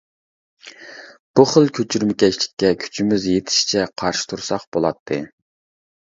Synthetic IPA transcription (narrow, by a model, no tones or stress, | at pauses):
b̥uχəlˠkʲʰøt͡ʃʰyɾmɪkʲɛt͡ʃlɪ̥kʲːɛkʲʰy̥t͡ʃʰimyzjet̪ʰɪ̥ʃt͡ʃʰɛqʰɑɾʃi̥t̪ʰuɾsɑχbolˠɑt̪ʰːɨ̰